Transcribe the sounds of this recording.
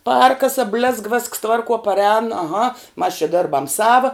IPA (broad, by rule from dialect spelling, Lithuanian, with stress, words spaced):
ˈpʲærkɐsɐ bʲlʲeːsk ʋʲeːsks ˈtʋɐrˌkuɔ pɐˈrʲɛːn ɐˈɣɐ mɐs t͡ʃʲɛ ˈdʲeːrbɐm ˈsɑːʋɐ